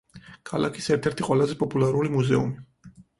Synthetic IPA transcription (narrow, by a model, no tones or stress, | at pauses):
kʰala̰kʰi̥sɛɾt̪ʰɛɾt̪ʰiqʼwɛlazɛpʼɔpʼulaɾulimuzɛṵmi